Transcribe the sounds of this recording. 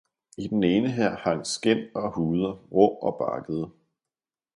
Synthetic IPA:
id̥ene̝ːnəɦæɐ̰hɑ̈ŋsɡ̥en̰ɒ̽huːð̞ˠɐʁɔɒ̽b̥ɑ̈ɡ̥əð̞̩ˠə

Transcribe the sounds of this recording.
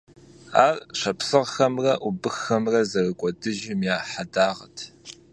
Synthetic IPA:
aːrɕɐpsɨʁxɐmrɐʔubɨxɐmrɐzɐrɨkʷʼɔdɨʒɪmjaːħadaːʁɐ̰tʰ

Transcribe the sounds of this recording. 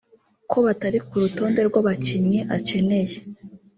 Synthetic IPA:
kʰo̞βataɾikuɾuto̞ːnde̞ɾɡwaβaciɲɲiʔace̞ne̞je

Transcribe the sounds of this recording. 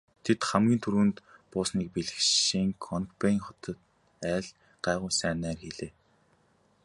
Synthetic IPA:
t̪ʰet̪χæmɡʲiːnt̪ʰuɾuːnt̪pʊːsniːk̚piɮɘ̆kʃiŋkʰɔnkpæiŋχɔt̪ɞ̆t̪̚ | æːɮ | ɢ̥æːʁʊːsæːnæːrxeɮeː

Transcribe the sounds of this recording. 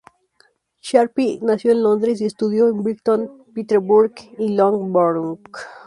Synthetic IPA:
ʃaɾpinasjonlond̪ɾes̬est̪uðjoembɾikt̪on | pit̪eɾbuɾɡilõŋɡboɾuŋk

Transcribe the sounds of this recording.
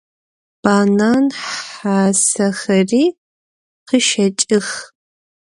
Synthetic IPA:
b̥aːnaːnħaːsɐxɐriː | qəʃɐt͡ʃʼɪx

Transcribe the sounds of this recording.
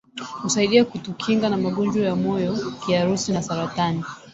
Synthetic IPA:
husaiɗiakutukʰiŋɡanamaɠɔnd͡ʒwɔjamɔjɔkiaɾusinasaɾatani

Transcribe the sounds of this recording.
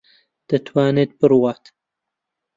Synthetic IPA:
d̪̥ɐt̪ʰwaːneːt̪̚bɨɾwaːt̪

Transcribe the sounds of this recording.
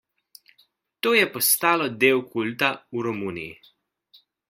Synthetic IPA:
t̪oːjɛpɔst̪aːlɔd̪eːwkʰult̪auɾɔmuːnḭjḭ

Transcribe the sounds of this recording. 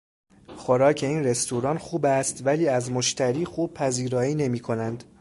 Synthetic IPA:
xoɾɒːcʰe̞iːnre̞st̪uɾɒːnxuːbæst̪væliːæzmoʃt̪ʰæɾiːxuːb̚pʰæziːɾɒːiːne̞miːkʰo̞nænd̪̥

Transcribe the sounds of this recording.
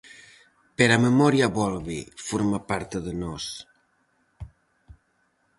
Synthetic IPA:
peɾaməmɔɾiaβɔlˠβifoɾmapaɾt̪əðənɔs

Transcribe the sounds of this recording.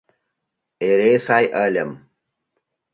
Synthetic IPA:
eɾesaːjʔaːlɐm

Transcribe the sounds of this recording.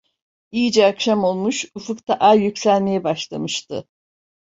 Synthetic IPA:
ijid͡ʒɛakʃamo̞lˠmuʃufukt̪ʰaʔajjycsælʲme̞jɛbaʃlˠamɯʃt̪ɯ̰

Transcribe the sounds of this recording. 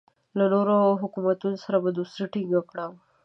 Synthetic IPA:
lənoɾoɦukumat̪unsəɾabəd̪usɾiʈʰiŋɡakɽaʋ

